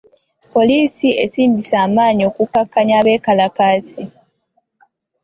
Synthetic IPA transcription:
po̞liːsie̞̰siːndisaːmaːɲio̞ːkukakːaɲaːβe̞ːkalakaːsi

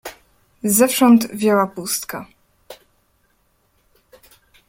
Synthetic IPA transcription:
zɛfʂɔnt̪vʲjɔwapust̪ka

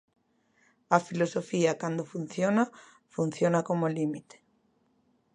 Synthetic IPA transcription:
ɐfilosofiɐkand̪ofun̟θjona | fun̟θjonakomolimit̪e̥

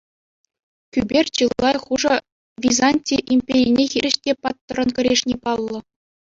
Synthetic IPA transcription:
kʲybʲerʲt͡ɕɯlˠːɑjχuʐɤ̆ | ʋʲizɑnʲtʲiʔimʲpʲeɾʲijnʲexʲiɾʲɘ̆ɕtʲepɑt̪ːɤ̆ɾɤ̆nkʲɘ̆ɾʲeʂnʲepɑlˠːɤ̆

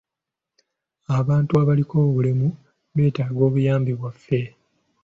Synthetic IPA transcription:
aβaːntuaβalikʰo̞ːβulemu | βe̞ːtaːɡo̞ːβujaːmbiβwafːe̞

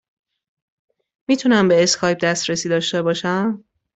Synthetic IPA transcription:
mit̪ʰunæmbe̞ːskʰɒːjb̚d̪æst̪ɾesiːd̪ɒːʃt̪e̞bɒːʃæm

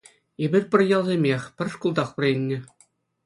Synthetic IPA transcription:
ebʲirʲpʲɘ̆rʲjɑlˠzʲemʲexʲpʲɘ̆rʲʂkulˠd̪ɑχpɘ̆rʲilʲːɘ̆

